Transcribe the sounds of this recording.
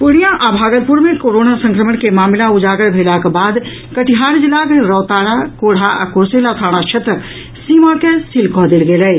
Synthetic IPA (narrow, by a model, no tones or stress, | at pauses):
puɽ̃ijaʔabʱaɡəlpuɾmekoɾonasə̃ŋkɾəmənkemamilaud͡ʒaɡəɽbʱelakebad̪ | kəʈiɦaɾd͡ʒilakeɾɔwt̪aɾakoɽ̤aʔa̰kuɾselat̪ʰaɽ̃at͡ʃʰet̪ɾək | simakesilkɔɦd̪elɡelɛj